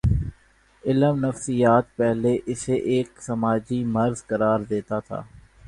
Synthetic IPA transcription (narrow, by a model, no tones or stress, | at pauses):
ɪləmnəfsijaːt̪̚pɛɦleʔɪseʔeːksɐmaːd͡ʒimɐɾzkɐɾaːɾd̪eːt̪at̪ʰa̰ː